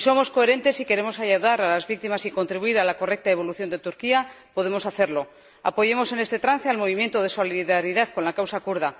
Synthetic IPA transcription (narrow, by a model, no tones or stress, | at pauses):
so̞mo̞sko̞e̞ɾe̞nt̪e̞sike̞ɾe̞mo̞saʝaðaɾalazβik̚t̪imasiko̞nt̪ɾiβuiɾalako̞re̞k̚t̪aeβ̞o̞luθjo̞nd̪e̞t̪uɾkia | po̞ðe̞mo̞saθe̞ɾlo̞ | a̰po̞ʝe̞mo̞se̞ne̞st̪e̞t̪ɾan̟θealmo̞β̞imje̞nt̪oð̞e̞so̞liðaɾiðaðkonlakawsakuɾð̞a